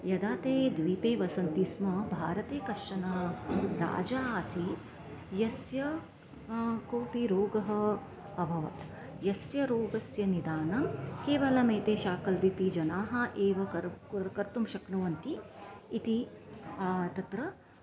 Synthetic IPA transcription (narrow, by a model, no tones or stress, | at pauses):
jɐd̪aːt̪eːd̪ʋipeːʋɐsɐnt̪ismɐbʱaːɾɐt̪eːkɐʃɐnɐɾa̰ːd͡ʒaːsi | jɐsjɐ | koːpiɾoːɡɐɦɐ | ɐbʱɐʋɐ̰t̪ | jɐsjɐɾoːɡɐsjɐnid̪aːnɐmkeːʋɐlɐmeːt̪eːʃaːkɐlbipid͡ʒɐnaːɦɐʔeːʋɐkɐɾkɐɾt̪umʃɐknɐʋɐnt̪iːt̪i | t̪ɐt̪ɾɐ